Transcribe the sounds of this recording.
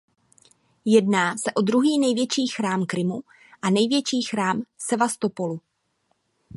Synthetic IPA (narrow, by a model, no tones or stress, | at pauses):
jɛdnaːsɛʔo̞d̪ɾuɦiːnɛjvjɛt͡ʃiːxɾaːmkɾɪmu | ʔanɛjvjɛt͡ʃiːxɾaːmsɛvast̪o̞po̞lu